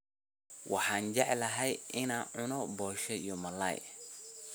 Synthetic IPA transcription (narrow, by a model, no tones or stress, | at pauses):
wʔɑ̰ħɑːnt͡ʃɛʕlɐɦɛjʔɪnaːnʕʊnɔbɔːʃɛijɔmɐlɐ̰j